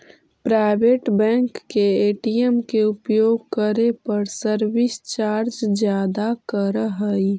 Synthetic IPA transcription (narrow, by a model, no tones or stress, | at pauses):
pɾaɪbeːʈbɛ̃ŋkːeeːʈiemkeʊpjoːɡkəɾepəɾsəɾʋɪst͡ʃaːɾd͡ʒd͡ʒjaːd̪akəɾɦəi